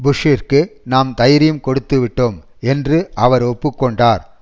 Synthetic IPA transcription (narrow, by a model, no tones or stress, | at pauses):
bʊʂɪrkɯnaːmt̪ɐjɪɾɪjɯmkɔɽɯt̪ːɯʋɪʈːɯm | ɛndrɯʔɐʋɐɾɔpːɯkːɔɳɖaːɾ